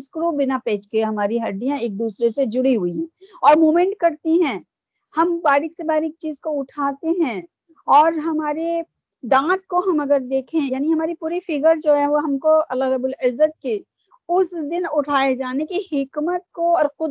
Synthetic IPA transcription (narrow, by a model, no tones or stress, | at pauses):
skɾobɪnapɛ̃ːt͡ʃkeɦɐmaːɾiɦɐɖijãeːk̚d̪uːsɾesed͡ʒʊɽiɦʊiɦɛ̃ːɔːɾmoːmɛ̃ːɳʈ̚kɐɾt̪iɦɛ̃ː | hɐmbaːɾɪksebaːɾɪk̚t͡ʃiːzkoʊʈʰaːt̪eɦɛ̃ | ɔːɾɦɐmaːɾe | d̪ãːt̪̚koɦɐmɐɡəɾd̪eːkʰẽjaːniɦɐmaːɾipuːɾifɪɡəɾd͡ʒoːɦɛ̃ʋoɦɐmkoɐlːaɾɐbʊlɪzːət̪̚ke | ʊsd̪ɪnʊʈʰaːed͡ʒaːnekihɪkmət̪̚koɔːɾxʊ